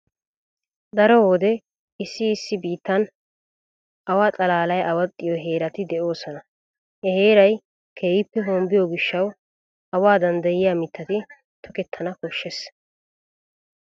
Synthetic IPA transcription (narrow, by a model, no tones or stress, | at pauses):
d̪ɐɾɔwɔd̪ɛ | ɪsːɪːsːɪbiːt̪ːɐn | ʔɐwaːt̪ʼɐlaːlɐjʔɐwɐt̪ʼːɪjɔɦe̞ːɾɐt̪ɪd̪ɛʔo̞ːsɔnɐ | hɛhe̞ːɾɐj | kʰeːjɪpːɛɦoːmbɪjɔɡɪʃːɐw | ɐwaːd̪ɐnd̪ɐjɪjaːmɪt̪ʰːɐt̪ɪ | t̪ʰɔkɛt̪ʰːɐnɐkɔʃːɛs